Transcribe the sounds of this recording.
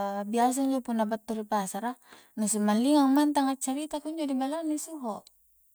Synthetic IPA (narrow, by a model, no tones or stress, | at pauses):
bias̬aiɲd͡ʒopunːabat̪ːuɾipasaɾa | nusumanliŋaŋmant̪aŋat͡ʃaɾit̪akuɲd͡ʒodibalanisuɦɔʔ